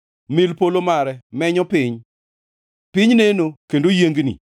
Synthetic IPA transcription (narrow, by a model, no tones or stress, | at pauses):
mɪlpolomaɾɛmɛɲɔpɪɲ | pɪɲnenokendojeŋɡnḭ